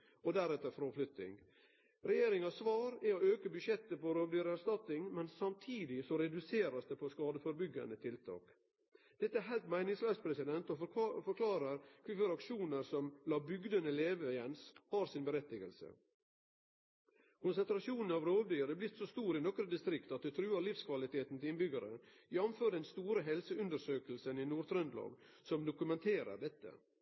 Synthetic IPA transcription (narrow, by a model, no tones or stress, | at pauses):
ɔd̪æɾɛt̪ːəɾfɾɔflʏt̪ːɪ̰ŋ | ɾɛjeːɾɪŋɑsʋɑːɾæɔøːkəbʉʃjɛt̪ːəpɔɾoːʋd̪yɾæst̪ɑt̪ɪŋmɛnsɑmt̪ʰiːd̪ɪsɔɾɛd̪ʉseːɾɑsd̪ɛpʰɔskɑːd̪əfɔɾbʏɡɑ̰nət̪ʰɪlt̪ʰɑ̰ːk | d̪̥ɛt̪ːəæɾɦæɪlt̪mæɪnɪŋslœːspʰɾɛsɪd̪ɛnt̪ɔfɔɾkʰlɑːɾəɾkʰʋɪføɾɑkʂuːnəɾsɔmlɑːbʏɡd̪ənəleːʋəjɛnshɑːɾsɪnbəɾɛt̪ːɪɡəlsə̰ | kʰʊnsənt̪ɾɑsjuːnn̩ɑʋɾoːʋd̪yːɾəblɪt̪ːsɔst̪uːɾɪnɔkɾəd̪ɪst̪ɾɪkt̪ɑt̪̚d̪ʉt̪ʰɾʉːəɾliːfskʰʋɑlɪt̪ʰeːt̪n̩t̪ʰɪlɪnbʏɡəɾə̰jɛmføːɾd̪ɛnst̪uːɾəɦɛlsəʉnd̪əɾsøːkəlsəninuːɾt̪ʰɾœnd̪lɑ̰ːɡ | sɔmd̪ʊkʉmɛnt̪ʰeːɾə̰ɖɛt̪ːə̰